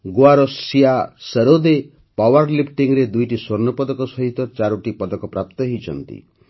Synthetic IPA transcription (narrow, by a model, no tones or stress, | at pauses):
ɡoaɾɔsiaseɾod̪e | pawaɾlipʈiŋɾed̪ujʈiswoɾnɔpɔd̪ɔkɔsɔɦit̪ɔt͡ʃaɾuʈipɔd̪ɔkɔpɾap̚t̪ɔɦit͡ʃʰɔ̰nt̪ḭ